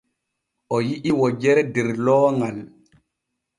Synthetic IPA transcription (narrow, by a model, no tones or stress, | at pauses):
ʔɔjiʔiwɔd͡ʒɛɾɛdɛɾlɔːŋal